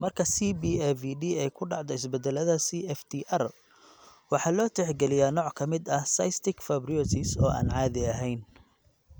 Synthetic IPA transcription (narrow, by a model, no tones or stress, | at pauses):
mɐrkʰɐsibiːɛviɖiːɛjkʰʊɖɑʕd̪ɔɪsbɛd̪ɛlɐðɐsiːɛft̪ʰiʔɐr | wɑħɑːlɔːt̪ʰɛħɡɛlɪjaːnɔːʕkʰɐmɪd̪ɐhsɐ̰jst̪ʰɪkfɐbriɔt̪ʰɪsɔ̰ːʔa̰ːnʕɑːðɪɐɦɛjn